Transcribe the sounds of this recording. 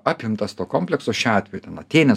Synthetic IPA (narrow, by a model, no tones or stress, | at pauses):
ɑːpʲɪmt̪ɐst̪oːkoːmʲpʲlʲɛksoːʃʲɑːt̪ʲʋʲɛjut̪ʲɛnɐt̪ʲeːnʲɛ